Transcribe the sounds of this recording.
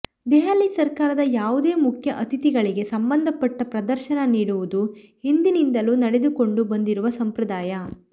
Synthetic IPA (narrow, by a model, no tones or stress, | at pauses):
d̪ɛɦaːlisɐɾkaːɾɐd̪ɐjaːʋud̪e̞ːmukʰjɐʔɐt̪it̪iɡɐɭiɡe̞sɐmbɐnd̪ʱɐpɐʈːɐpɾɐd̪ɐɾʃɐnɐniːɽuʋud̪uhind̪inind̪ɐlunɐɽed̪uko̞ɳɖubɐnd̪iɾuʋɐsɐmpɾɐd̪aːjɐ